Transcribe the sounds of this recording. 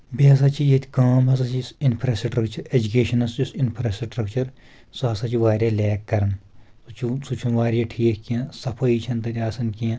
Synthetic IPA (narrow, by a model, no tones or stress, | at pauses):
biɐs̬at͡ʃʰijet̪ʰʲkaːmɦɐs̬at͡ʃʰisinpʰɾɐsʈɾɐkt͡ʃɐɾed͡ʒukeːʃɐnɐst͡ʃisinpʰɾasʈɾɐkt͡ʃɐɾ | soɦɐsat͡ʃʰiʋaːɾʲjaːlɛːkːɐɾn | sut͡ʃʰusut͡ʃʰunʋaːɾijaːʈʰiːkʰkijãːsɐpʰɐiːt͡ʃʰɐnt̪ɐt̪ʲaːsɐnkijãː